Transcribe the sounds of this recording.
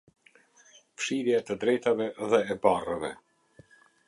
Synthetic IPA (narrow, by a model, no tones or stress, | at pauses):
fʃiɾjaɛt̪əd̪ɾɛjt̪avɛðɛːbarəvɛ